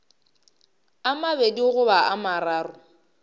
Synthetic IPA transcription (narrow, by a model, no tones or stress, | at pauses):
amabediɣʊbaamaraːrʊ